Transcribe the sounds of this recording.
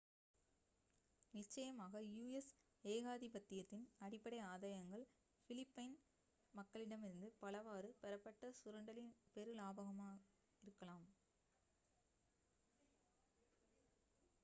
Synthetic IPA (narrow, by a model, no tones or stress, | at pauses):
nɪt͡ʃːɐjɐmaːɣɐjuːɛs | eːɣaːðibɐt̪ːɪjɐt̪ːɪnɐɽɪpːɐɽɐɪaːðɐjɐŋɡɐɭ | fɪlɪpːɐɪn | mɐkːɐɭɪɽɐmɪɾɯnd̪ɯpɐlɐʋaːɾɯpɛɾɐpːɐʈːɐsʊɾɐɳɖɐlɪnpɛɾɯlaːbɐɣɐmaː | ɪɾɯkːɐɭaːm